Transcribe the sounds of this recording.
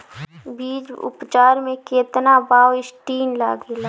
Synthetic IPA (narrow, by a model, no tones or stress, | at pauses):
biːd͡ʒʊ̰pt͡ʃaːɾmẽkeːt̪nabaːwɪsʈiːnla̰ːɡela